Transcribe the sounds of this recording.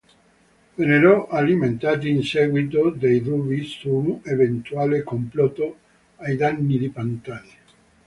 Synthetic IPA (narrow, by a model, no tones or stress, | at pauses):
veneɾɔʔaliment̪aːt̪̬iːnsɛɡwit̪od̪ejrubisunevent̪uaːlekomplɔt̪o | ajd̪anːid̪ipant̪aja